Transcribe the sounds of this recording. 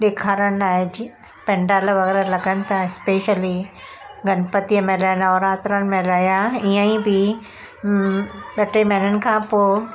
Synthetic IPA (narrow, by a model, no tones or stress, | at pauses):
ɗeːkʰaːɾənɪaːɦed͡ʑ | pɛ̃ɳɖaːlʋɐɣɛːɾəlɐɡənɪ̆t̪ʰaɪspeːʃəli | ɡɐnpət̪iəmẽlaːnɔːɾaːt̪ɾənɪ̆mẽlaːjaiːə̃ĩbɪ | ɓɛːʈemɛ̃ːnənɪ̆kʰãːpo